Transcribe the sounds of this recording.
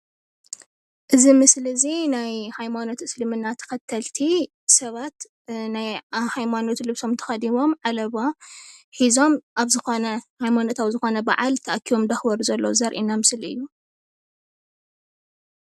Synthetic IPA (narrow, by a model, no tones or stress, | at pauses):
ʔɨzimɨslɨɨzinajhajmano̞t̪ɨslɨmɨnːat̪ʰɐ̥kɐt̪ʰːɐlt̪ʰi | sɐβat̪ | najhajmano̞t̪lɨβso̞mt̪ʰɐ̥xɐd̪imo̞mʕalɐβoħizo̞mʔaβzɨxonɐhajmano̞t̪aβzɨxo̞nɐba̰ʕalt̪ʰɐʔakʰiβo̞md̪ɐxbɐɾuzɐlːozɐɾʔinamɨslɨ̰jːu